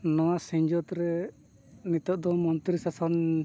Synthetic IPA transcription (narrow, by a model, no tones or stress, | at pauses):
nɔwasiɲd͡ʒɔt̪ɾɛ | nit̪ɔʔ̚d̪ɔmɔnt̪ɾisasɔn